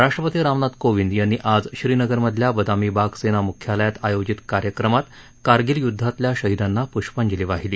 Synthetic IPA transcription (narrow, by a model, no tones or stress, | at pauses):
ɾaʂʈɾəpət̪iːɾamnad̪koʋind̪janːiːʔad͡zɕɾiːnəɡəɾməd̪ʱljabəd̪amiːbaksenamukʰjaləjat̪ajod͡ʑit̪kaɾjəkɾəmat̪ | kaɾɡiːljud̪ʱːat̪ljaɕəɦid̪anːapuɕpənd͡ʑiliʋaɦiliː